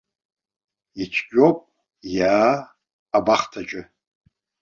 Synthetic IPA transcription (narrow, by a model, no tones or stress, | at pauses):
it͡ʃʰɡʲᶣʼopʼ | jaː | baχtʰat͡ʃʼɪ